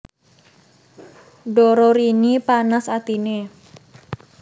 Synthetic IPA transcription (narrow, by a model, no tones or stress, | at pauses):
ɖɔɾɔɾinipanasat̪ine